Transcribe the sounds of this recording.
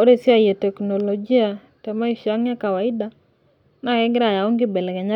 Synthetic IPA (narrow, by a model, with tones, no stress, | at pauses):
o˦ɾe˦sɪ˦a˦je˨tɛ˨kno˨lod͡ʒi˦a˨ | tɛ˨ma˦i˦ʃa˦ŋja˦ka˨wa˨ɪ˦da˦ | na˦kɛ˦ɡɪ˦ɾa˨ja˨o˦ŋɡɪ˦bɛ˨lɛ˨ɡɛ˨ɲa˦